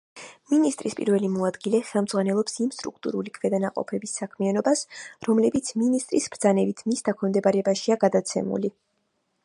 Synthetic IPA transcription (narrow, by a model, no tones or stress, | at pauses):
minist̪ʼɾispʼḭɾvɛlimɔad̪ɡilɛχɛlˠmdzʁwanɛlˠɔpsimst̪ʼɾṵk̚ʰt̪ʼṵɾulikʰvɛd̪anaqʼɔ̰pʰɛbisːakʰmianɔbasɾɔmlɛbit̪sʰminist̪ʼɾisb̥ɾd̪zanɛbit̪ʰmisd̪akʰɔmd̪ɛbaɾɛbaʃiaɡad̪at̪sʰɛ̰mṵli